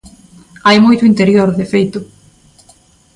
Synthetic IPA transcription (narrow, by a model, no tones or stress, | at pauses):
ajmojt̪ʊint̪eɾjoɾðefejt̪ʊ